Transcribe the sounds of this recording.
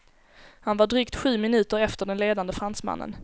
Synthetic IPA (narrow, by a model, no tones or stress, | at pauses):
hanvaɖɾyːkt̪ɧʉ̟ːmɪnʉ̟ːt̪əɾɛft̪əɖɛnleːd̪and̪əfɾansma̰nːə̰n